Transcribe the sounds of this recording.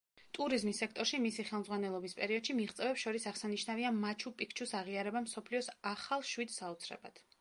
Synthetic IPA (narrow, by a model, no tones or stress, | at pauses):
t̪ʼuɾizmisːɛk̚ʰt̪ʼɔɾʃimisiχɛlˠmzʁwanɛlˠɔbispʼɛɾiɔd̪̥ʃimiʁt̪sʼɛvɛpsʃɔɾisaʁsaniʃnaviamat͡ʃʰupʼikʰt͡ʃʰusaʁiaɾɛbamsɔpʰliɔsaχalˠʃwid̪saut̪sʰɾɛ̰ba̰d̪̥